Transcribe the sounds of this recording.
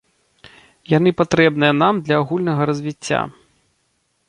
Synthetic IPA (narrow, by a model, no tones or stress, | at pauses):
jan̪ɨpat̪ɾɛbnɨjɐn̪amd̪lʲɐːɣulʲnɐɣɐɾɐzʲvʲit͡sʲːa̰